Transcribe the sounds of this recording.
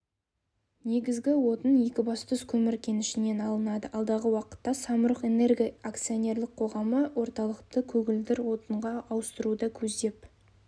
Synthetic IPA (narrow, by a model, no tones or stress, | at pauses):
ne̞ɡʲɪzɡʲɪwo̞t̪əne̞kʲɪbɑst̪əskʲʰɵmɪɾkʲʰe̞nɪʃɪne̞nɑlˠənɑd̪əʔɑlˠd̪ɑʁəwɑqə̥t̪ːɑsɑməɾəqe̞ne̞rɡʲiak̚t̪sijo̞nʲe̞rlɪk̚qʰo̞ʁɑməwo̞ɾt̪ɑlˠəqt̪əkʲʰɵɡʲɪld̪ɪɾwo̞t̪əɴʁɑɑwəst̪əɾud̪ɑkʲʰɵzd̪e̞p